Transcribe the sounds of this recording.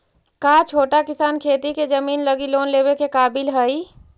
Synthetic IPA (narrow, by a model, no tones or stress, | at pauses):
kat͡ʃʰoːʈakɪsaːnkʰeːt̪iked͡ʒəmiːnləɡiloːnleːbekekaːbɪlɦəi